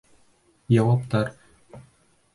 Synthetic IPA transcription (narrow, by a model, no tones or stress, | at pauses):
jɑwɑpt̪ɑɾ